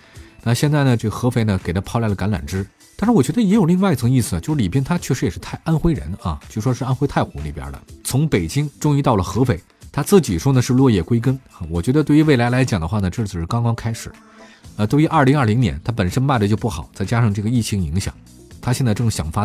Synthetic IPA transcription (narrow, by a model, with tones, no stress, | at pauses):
na˥˧ɕjɛ˥˧nt͡sa˥˩ɪnə˩ʈ͡ʂɤ˥˩ɡə˩xɤ˧˥fe˧˥ɪnə˨ke˨˩ɪt̪ʰa˥pʰɑ˥ʊla˧˥ɪlə˩ka˧˥nla̰˨˩nʈ͡ʂɻ̩˥ | t̪a˥˧nʂɻ̩˥˧wɔ˨˩t͡ɕɥɛ˧˥d̪ə˧jɛ˧˥jo˨˩li˥˧ŋwa˥˧ɪi˧˩t͡sʰŋi˥˩sɹ̩˩t͡ɕo˥˧ʊʂ̩˥˩li˨˩p̬jɛ˥nt̪ʰa˥t͡ɕʰɥɛ˥˩ʂɻ̩˧˥jɛ˨˩ʂɻ̩˥˧t̪ʰa˥˩ɪʔa˥nxwe˥ɪɻə̰˧˥nɐ˧jo˥˩u˥ʂwɔ˥ʂɻ̩˥˧a˥nxwe˥ɪt̪ʰa˥˩ɪxʊ˧˥ŋlḭ˨˩pjɐ̰˧˥d̪ə̰˨t͡sʰʊ˧˥ŋpe˨˩ɪt͡ɕi˥ŋʈ͡ʂʊ˥ŋi˧˥t̪ɑ˥˩ʊlə˩xɤ˧˥fe˧˥ɪt̪ʰa˥t͡sɹ̩˥˩t͡ɕi˨˩ʂwɔ˥nə˨ʂɻ̩˥˧lwɔ˥˧jɛ˥˩kwe˥ɪkə˥nɐ˥˧wɔ˨˩t͡ɕɥɛ˧˥d̪ə˧t̪we˥˩y˧˥ʋe˥˩ɪla˧˥ɪla˧˥ɪt͡ɕjɑ˨˩ŋd̪ə˦xwa˥˩nə˩ʈ͡ʂɤ˥˩˧ʂɻ̩˥˩kɑ˥ŋkɑ˥ŋkʰa˥ɪʂɻ̩˨˩˦ | ə˧t̪wo˥˧ʊy˧˥ʔɐ˞˥˩li˧˥ŋɐ˥˩li˧˥ŋnjɛ̰˧˥nt̪ʰa˥pə˨˩nʂə˥nma˥˩ɪd̪ə˩t͡ɕjʊpu˥˩xɑ̰˨˩˦ʊt͡sa˥˩ɪt͡ɕja˥ʂɑ˥˧ŋʈ͡ʂɤ˥˩ɡə˩i˥˩t͡ɕʰi˧˥ŋi˧˥ŋɕjɑ̰˨˩˦ŋ | t̪ʰa˥ɕjɛ˥˧nt͡sa˥˧ʈ͡ʂɤ˥˩ŋɕjɑ̰˨˩ŋfa˥